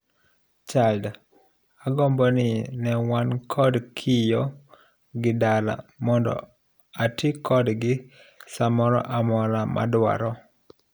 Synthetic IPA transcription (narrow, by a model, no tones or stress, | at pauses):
t͡ʃald | aɡɔmbɔnɪnɛwankʰɔdkʰɪjɔ | ɡɪdala̰mɔndɔ̰ | atɪkʰɔdɡɪ | samɔɾɔ̰ʔamɔlama̰dwa̰ɾɔ